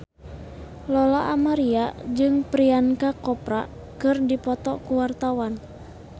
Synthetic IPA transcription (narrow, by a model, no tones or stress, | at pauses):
lɔlaʔːmaɾiad͡ʒɨŋpɾiankakɔpɾa̰ | kɨrdipɔt̪ɔkuwart̪awan